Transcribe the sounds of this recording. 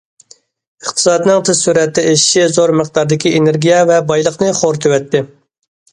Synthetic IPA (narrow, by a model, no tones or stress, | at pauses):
əχt̪ʰɨ̥sɑːd̪ɨnɨŋt̪ʰɨz̥syɾɛt̪ːɛeʃɪ̥ʃizoɾmɨχd̪ɑɾd̪ɪkʲieneɾɡʲijɛvɛbɑjlˠəχnɨχoɾt̪ʰøwɛt̪ːɪ